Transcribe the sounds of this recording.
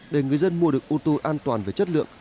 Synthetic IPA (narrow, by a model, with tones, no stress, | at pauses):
ɗe˨˩ŋɨ˨˩əjzə˧nmu˧əɗɨ˨˩ək̚ʔu˧t̪o˧ʔaː˧nt̪waː˨˩nve˨˩t͡ɕə˦˥t̚lɨ̰˧˨əŋ